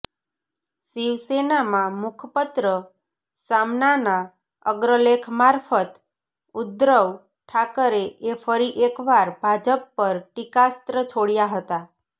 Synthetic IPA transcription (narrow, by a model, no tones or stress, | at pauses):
siʋsenamãmʊkʰpət̪ɾə | samnana | əɡɾəlekʰmaɾfət̪ | ʊd̪ɾəʋ | ʈʰakəɾeefəɾiʔekʋaɾbʱad͡ʒəpːəɾʈikast̪ɾət͡ʃʰoɽjaɦət̪a